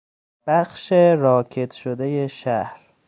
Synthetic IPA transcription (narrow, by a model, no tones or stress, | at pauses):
b̥æxʃeɾɒːcʰe̞d̪ʃod̪eje̞ʃæhɾ